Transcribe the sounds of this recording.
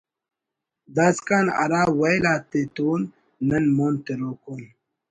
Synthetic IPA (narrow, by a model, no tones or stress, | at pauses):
d̪askana̰ɾaːwajlaːt̪ːet̪unː | ənmont̪eɾokun